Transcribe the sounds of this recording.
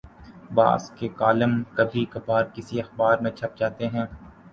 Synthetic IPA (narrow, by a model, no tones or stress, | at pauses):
ba̰ːskekaːləmkɐbʱikɐpaːɾkɪsiɐxbaːɾmẽt͡ʃʰɐp̚d͡ʒaːt̪eɦɛ̃ː